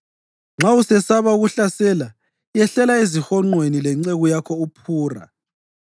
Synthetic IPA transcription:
ŋ͡ǁʱausɛsaβauɣuɬasɛla | jɛɬɛlaizixɔŋ͡ǃwenilɛŋ͡ǀeɣujakʰɔupʰuːra̰

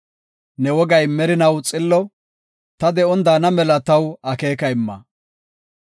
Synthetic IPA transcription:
nɛwɔɡɐjmɛɾɪnɐwt͡sʼɪlːɔ | t̪ɐd̪ɛɔnd̪aːnɐmɛlɐt̪ɐwɐke̞ːkɐɪmːɐ̰

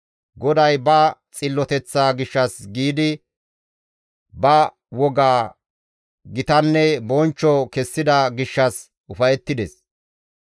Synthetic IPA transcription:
ɡɔd̪ɐjbɐt͡sʼɪlːɔt̪ɛt͡sːaːɡɪʃːɐsɡiːd̪ɪ | bɐ | wɔɡaː | ɡɪt̪ɐnːɛbɔnt͡ʃːɔkɛsːɪd̪ɐɡɪʃːɐs | ʔʊfɐjɛt̪ːɪd̪ɛs

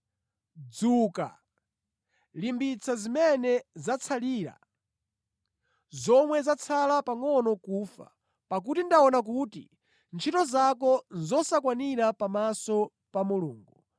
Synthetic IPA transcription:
d͡zuːka̰ | limbit͡sʰazimɛnɛzat͡sʰaliːɾa̰ | zɔmwɛzat͡sʰalapaŋɔnɔkuːfa̰ | pak̬utindaɔnak̬uːtḭ | nt͡ʃʰitɔzakɔnzɔsakwaniɾapamasɔ | pamuluːŋɡu

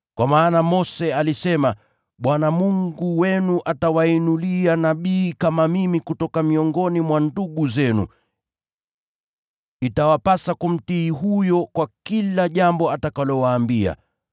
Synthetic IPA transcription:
kwamaːnamɔsɛalisɛma | ɓwanamuŋɡuwɛnuʔatawainulianaɓiːkamamimikutɔkamiɔŋɡɔnimwanduɠuzɛnṵ | itawapasakum̩tiːɦujɔkwakilaʄambɔatakalɔwaːmbia̰

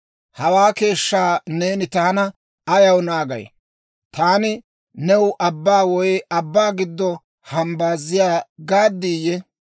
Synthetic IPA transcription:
hɐwaːke̞ːʃːaːne̞ːnɪt̪aːnɐ | ɐjɐwnaːɡɐ̰j | t̪aːnɪ | nɛwʊʔɐbːaːwɔjɐbːaːɡɪd̪ːɔ | hɐmbaːzːɪjaːɡaːd̪ːiːjɛ

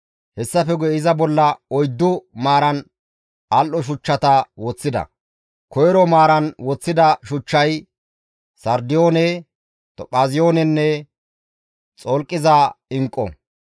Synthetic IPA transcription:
hɛsːɐfɛɡɔɪzɐbɔlːɐɔjd̪ːʊmaːɾɐn | ɐlʔɔʃ̬ʊt͡ʃːɐt̪ɐwɔt͡sːɪd̪ɐ̰ | kɔjɛɾɔmaːɾɐnwɔt͡sːɪd̪ɐʃʊt͡ʃːɐj | sɐɾd̪ɪjoːnɛ | t̪ɔpʼaːzɪjoːnɛnːɛ | t͡sʼɔlkʼːɪzaɪŋkʼːɔ̰

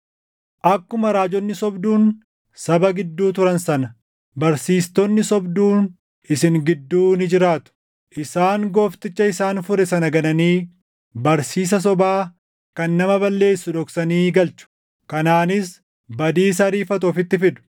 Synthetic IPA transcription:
ʔɐkːʊmɐɾaːd͡ʒɔnːɪsɔbd̪uːn | sɐbɐɡɪd̪ːuːt̪ʊɾɐnsɐnɐ | bɐɾsiːst̪ɔnːɪsɔbd̪uːn | ɪsɪŋɡɪd̪ːuːnɪd͡ʒɪɾaːt̪ʊ̥ | ʔɪsaːŋɡoːft̪ɪt͡ʃːɐɪsaːnfʊɾɛsɐnɐɡɐnɐniː | bɐɾsiːs̬ɐs̬ɔbaː | kɐnːɐmɐbɐlːe̞ːsːʊᶑɔksɐniːɡɐlt͡ʃʊ̥ | kɐnaːnɪs | bɐd̪iːs̬ɐɾiːfɐt̪ʊɔfɪt̪ːɪfɪd̪ʊ̥

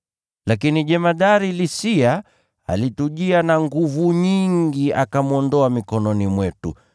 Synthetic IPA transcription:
lakiniʄɛmaɗaɾilisia | a̰lituʄianaŋɡuvuɲiŋɡiakamuɔndɔamikɔnɔnimwɛtṵ

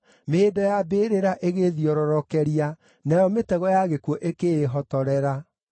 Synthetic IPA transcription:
meːdɔjabeɾeɾaʔeɣeðiɔɾɔɾɔkɛɾia | najɔmetɛɣɔjaɣekwɔʔekeːɦɔtɔɾɛɾa

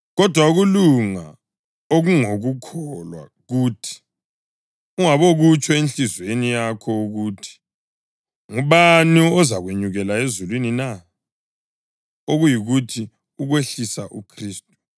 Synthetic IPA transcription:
ɣɔd̥ʱwauɣuluŋa̰ | oɣuŋoɣukʰɔlwa̰ | ɣuːtʰi̥ | uŋaβoɣut͡ʃʰʼɔent͡ɬizwenijakʰɔuɣutʰi̥ | ŋuβaniɔzaɣweɲuɣɛlaezulwinina | oɣujiɣutʰi | uɣweɬisaʔukʰriːstʼu̥

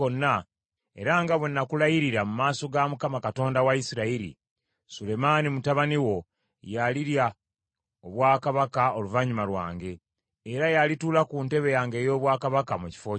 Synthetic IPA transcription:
onːa | e̞̰ɾaŋɡaβwenːakulajiɾiɾamumaːso̞ɡamukamakato̞ːndawaisiɾaiɾḭ | sule̞manimutaβaniwo̞ | jaliɾja | oβwaːkaβakao̞luvaɲumalwaːŋɡe̞ː | ɾajalituːlakuːnte̞βe̞jaːŋɡe̞ːjo̞ːβwaːkaβakamuci̥fo̞ː

